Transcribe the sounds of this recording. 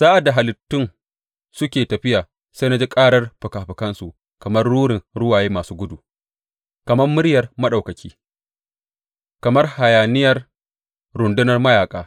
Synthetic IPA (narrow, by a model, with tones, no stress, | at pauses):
z̥aː˦ʔa˨da˨ɦa˨lɪ˨tːʊ˦n | sʊ˦kʲeː˨tɐ˨ɸɪ˦jaː˨ | sa˦na˦d͡ʒi˦kʼaː˦ɽɐ˦rɸʊ˨kaː˨ɸɪ˨kɐ˦nsu˨ | kɐ˨mɐ˦rːuː˦ɽɪ˨ŋɽʊ˦waː˨jeː˦maː˨suː˦ɡʷʊ˦du˨ | kɐ˨mɐ˦mmːʊ˦ɾjɐ˨rmɐ˦ɗa˨wkɐ˨kʲʰiː˦ | kɐ˨mɐ˦rha˨jaː˨nɪ˦jɐ˨r | ɾʊ˨ndɪ˦nɐ˨rmɐ˦jaː˨kʼaː˦